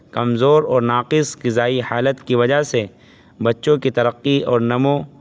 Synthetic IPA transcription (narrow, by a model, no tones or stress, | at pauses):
kɐmzoːɾɔːɾnaːqɪskizaːihaːlət̪kiʋɐd͡ʒaɦse | bɐtːʃõkit̪ɐɾəqːiɔːɾnɐmõ